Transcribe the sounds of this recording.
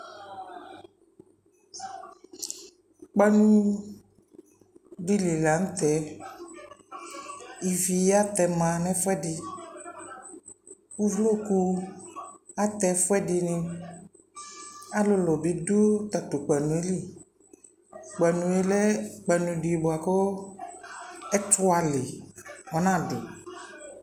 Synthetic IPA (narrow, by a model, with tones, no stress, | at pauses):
k͡pa˦nũ˦ | ɖi˦li˨la˨ŋ̩̃˦t̪ɛ˨˦ | i˨vi˨ja˦t̪ɛ˨mã˨nɛ̃˦fɛ˦ɖi˨ | wu˦vlo˦ku˦ | a˦t̪ɛ˦fɔ˦ɛ˦di˧nẽ˧ | a˦lo˦lɔ˨be˨do˦t̪a˨t̪o˨k͡pɛ˨nũ˨e˦li˦ | k͡pɛ˨nũ˨e˦lɛ˦k͡pɛ˨nũ˨ɖi˨bo˨a˨kɔ˦ | ɛ˦tʊ˦a˨le˨ɔ˨nã˦˨ɖo̰˨